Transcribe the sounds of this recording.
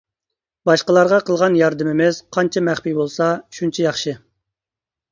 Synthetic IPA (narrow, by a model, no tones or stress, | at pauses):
bɑʃqəlˠɑɾʁɑqʰəlˠʁɑnjɑɾd̪ɨmɪmɛzqʰɑnt͡ʃʰɛmæχpibolˠsɑʃunt͡ʃʰijɑχʃɨ